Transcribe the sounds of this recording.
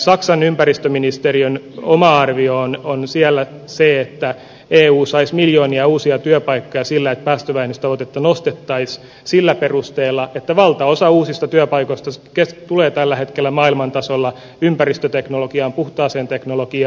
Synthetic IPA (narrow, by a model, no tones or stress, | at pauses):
sɑksɑnympærist̪øminist̪eriøn | omɑɑrʋiononsiælːæ | seet̪ːæ | eːuːsɑismiljoːniɑuːsiɑt̪yœpɑikːojɑsilːæet̪̚pæːst̪øʋæenyst̪ɑʋot̪et̪ːɑnost̪et̪ːɑis | silːæperust̪eːlːɑet̪ːæʋɑlt̪ɑosɑuːsist̪ɑt̪yœpɑikoist̪ɑkest̪uleːt̪ælːæhet̪kelːæmɑːilmɑnt̪ɑsolːɑ | ympærist̪øt̪eknolokiɑːmpuht̪ɑːseːnt̪eknolokiɑ